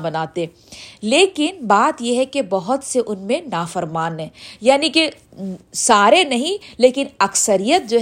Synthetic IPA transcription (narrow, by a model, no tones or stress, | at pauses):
bɐnaːt̪eɛ | leːkɪnbaːt̪jeɦɛkebɐɦʊt̪seʔʊnmẽnaːfəɾmaːnɦɛ̃ːjaːnike | saːɾenɐɦĩleːkɪnɐksəɾijət̪̚d͡ʒoːɦ